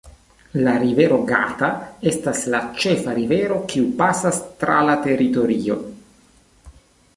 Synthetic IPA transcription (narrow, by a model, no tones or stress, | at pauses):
laɾive̞ɾo̞ɡa̰tae̞staslat͡ʃe̞faɾive̞ɾo̞kiupasastɾa̰late̞ɾito̞ɾio̞